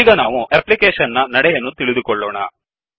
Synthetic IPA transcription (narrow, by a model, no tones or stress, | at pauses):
ɡɐnaːʋuʔeplikeːʂɐnːɐnɐɽɛjɐnːut̪iɭid̪ukɔɭːɔːɳɐ̰